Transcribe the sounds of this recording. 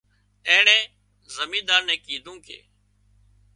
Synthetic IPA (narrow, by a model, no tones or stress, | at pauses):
ɛ̃ːɳɛ̃ː | zəmĩːd̪aːɾnɛ̃ːkiːd̪ʱũːkʰḛː